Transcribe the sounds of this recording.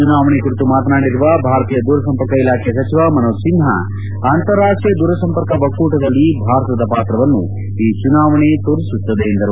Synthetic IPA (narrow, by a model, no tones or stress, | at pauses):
unaːʋɐɳekuɾit̪umaːt̪naːɽiɾuʋɐbʱaːɾɐt̪iːjɐd̪uːɾɐsɐmpɐɾkɐilaːkʰɛjɐsɐt͡ʃiʋɐmɐnosinɦɐ̰ | aːnt̪ɐɾːaːʂʈijɐd̪uːɾɐsɐmpɐɾkɐbɐkːuːʈɐd̪ɐlːibʱaːɾt̪ɐd̪ɐpaːt̪ɾɐʋɐnːu | iːt͡ʃunaːʋɐɳet̪oːɾisut̪ːɐd̪eind̪ɐɾu